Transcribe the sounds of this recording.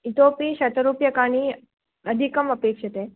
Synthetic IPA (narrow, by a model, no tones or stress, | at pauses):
it̪opiːɕɐt̪əɾupjəkaɽ̃i | əd̪ʱikəməpekʂət̪e